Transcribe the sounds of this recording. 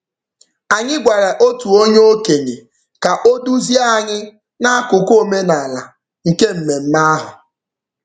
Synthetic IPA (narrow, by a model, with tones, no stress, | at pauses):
a˨ɲɪ˦ɡʷa˨ɾa˨ʔo˦tu˨o˦ɲo˦o˦ke˨ɲe˨ | ka˨ʔo˦du˦zi˦a˦˨ɲɪ˦ | na˦a˦kʊ˨ko˦˨me˦na˨la˨ | ŋ̩˨ke˦m̩˨me˨m̩˦ma˦a˦ɦʊ˨